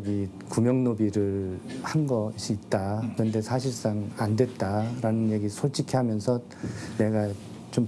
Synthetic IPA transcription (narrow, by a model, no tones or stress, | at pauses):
ɡi | kumjʌŋnobiɾɯɭhanɡʌɕʰiːt̚t͈akɯɾʌnde̞sʰaɕ̬ʰiɭs͈aŋandwe̞t̚t͈aɾanɯnje̞ɡisʰoɭt͡ɕ͈ʰikʰeɦamjʌnsʰʌ | ne̞ɡa | t͡ɕom